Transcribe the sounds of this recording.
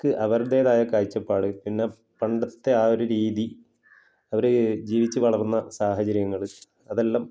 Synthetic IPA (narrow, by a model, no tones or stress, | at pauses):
kɨʔɐʋɐrd̪eːðaːjɐkaːjit͡ɕːɐpːaːɽɨpinːe | pɐɳɖɐt̪ːe̞aːo̞ɾuɾiːði | ɐʋɐɾed͡ʑiːʋit͡ɕːɨʋɐɭɐrnːɐsaːɦɐt͡ɕɐɾjɐŋːɐɭɨ | ɐðe̞lːam